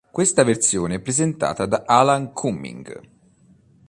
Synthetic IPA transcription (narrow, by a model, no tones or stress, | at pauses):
kwest̪avert̪sjoːneɛpːɾezent̪a̰ːt̪ad̪aʔalaŋkʰumːḭŋɡ